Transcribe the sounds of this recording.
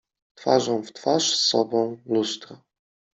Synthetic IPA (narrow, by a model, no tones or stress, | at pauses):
t̪fa̰ʐɔ̃w̃ft̪faʂsːɔbɔ̃w̃lust̪ɾa